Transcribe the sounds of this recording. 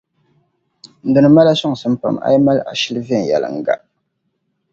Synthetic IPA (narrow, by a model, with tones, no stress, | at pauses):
n̩˨dɨ˨nɨ˨ma˦la˦sɔ˦ŋ˨sɨ˦m˦pa̰˨ma̰˦jma˦la̰˨ʃi˦lvɛ˦˨n̩˨jɛ̰˨lɨ̰˨ŋ̩˨ɡa̰˨